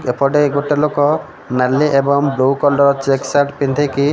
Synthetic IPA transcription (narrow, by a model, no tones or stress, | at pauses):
kepʰɔɖeɡoʈelokɔ | naliʔebɔŋbɾowkɔlɖɔɾt͡ʃeksaɾʈpind̪ʱeki